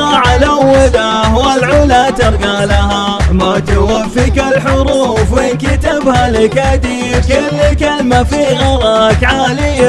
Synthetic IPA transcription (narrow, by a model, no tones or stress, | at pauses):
ɑʕalawːad̪ahwalʕʊlat̪ɪɾˤɡalaɦamat̪ʊwafːikalħʊɾˤuːfwɪnkɪt̪abhalɪkad̪iːkɪlːikalmafiɣɑɾˤɑkʕalɪjːa